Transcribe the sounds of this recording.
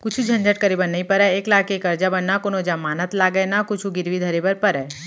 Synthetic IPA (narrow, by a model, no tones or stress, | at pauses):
kʊt͡ʃʰũd͡ʒʱənd͡ʒəʈ̚kəɾibəɾnəĩpəɾɛeklakekəɾd͡ʒabənːakonod͡ʒãmanət̪laɡəjnakʊt͡ʃʰũɡɪɾʋid̪ʱəɾibəɾpəɾɛ